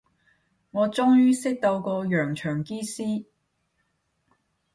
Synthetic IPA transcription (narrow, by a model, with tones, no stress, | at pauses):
ŋɔː˨˧t͡ʃʊ˥ŋjyː˥sɪ˥k̚t̪o˧wkɔː˧jœː˨˩ŋt͡ʃʰœː˨˩ŋkiː˥siː˥